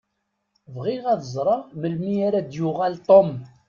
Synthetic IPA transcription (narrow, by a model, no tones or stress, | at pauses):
vʁiʁæðəzˤɾˤɑʁməlmiaɾad̪jʊʁælt̪ˤom